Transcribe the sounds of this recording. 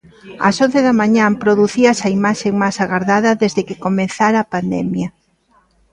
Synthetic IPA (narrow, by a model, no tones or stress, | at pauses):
a̰sõnθeðɐmãɲãpɾoðuθiasɐimaʃeŋmajsaɣaɾðaðɐðezðekɪkomẽnθaɾaːpand̪ɛmjɐ